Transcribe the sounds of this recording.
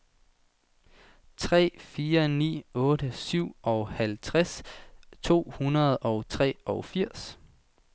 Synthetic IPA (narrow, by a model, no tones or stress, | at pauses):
t͡sʰʁɛ̰ːfiːɐnḭːɔ̽ːɾəsyʊ̰ʔɒʊhælt͡sʰʁast͡sʰo̝̰ːhunɐð̞̩ˠɒ̽ʊt͡sʰʁɛ̰ːɒ̽ʊfiɐ̰s